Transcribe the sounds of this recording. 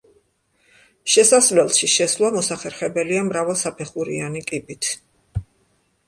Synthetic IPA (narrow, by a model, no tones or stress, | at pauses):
ʃɛsaslɛlˠʃiʃɛslˠamɔsaχɛɾχɛbɛliamɾavɛlˠsapʰɛχuɾḭanikʼibit̪ʰ